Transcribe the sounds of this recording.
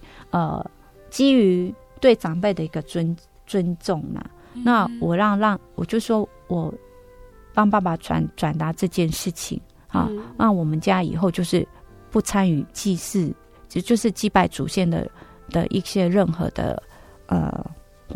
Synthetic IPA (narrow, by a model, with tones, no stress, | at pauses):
ə̰˨ | t͡ɕi˥y˧˥ | t̪we˥˩ɪʈ͡ʂɑ˨˩ŋpe˥˩ɪd̪ə˩i˧˥ɡə˧t͡swə˥n | t͡swə˦nʈ͡ʂʊ˥˨˩ŋnɐ̰˨˩ | na˥˩wɔ˨˩ɻɑ˥˧ŋɻɑ˥˩ŋwɔ̰˨˩t͡ɕjo˥˧ʊʂ̩˥˩ʂwɔ˥ | wɔ˨˩˦ | pɑ˥ŋpa˥˩ba˨ʈ͡ʂʰwa̰˧˦˥nʈ͡ʂwa˨˩nt̪a˧˥ʈ͡ʂɤ˥˧t͡ɕjɛ˥˧nʂɻ̩˥˩t͡ɕʰḭ˨˩ŋ | a̰˨˦ɻɑ˥˩ŋwɔ˨˩mə˨nt͡ɕja˥ḭ˨˩xo˥˧ʊt͡ɕjo˥˧ʊʂɻ̩˥˩ | pu˥˩t͡sʰa˥ny˨˩˦t͡ɕi˥˧ʂ̩˥˩ | t͡ɕjo˥˧ʊʂɻ̩˥˧t͡ɕi˥˧pa˥˩ɪʈ͡ʂu˨˩ɕjɛ˥˩nd̪ə̰˨˩ | d̪̥ə̰˨ʔḭ˥˩ɕjɛ˥ɻə˥˩nxɤ̰˧˦d̪ə̰˨˩ | ʔə̰˩